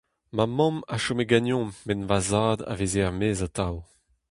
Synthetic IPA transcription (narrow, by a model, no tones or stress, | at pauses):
mamɔ̃maʃomeɡanjɔ̃mːɛnvazaːd̪a̰vezeʁmeːzat̪aw